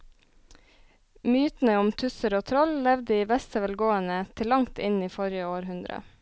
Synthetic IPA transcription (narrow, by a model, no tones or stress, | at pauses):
myːt̪n̩əʊmt̪ʰʉsəɾoːt̪ʰɾɔllɛʋd̪əiːʋɛst̪əʋɛlɡoːənət̪ʰɪlɑŋt̪ɪniːfɔɾjəoːɾhʉnd̪ɾə̰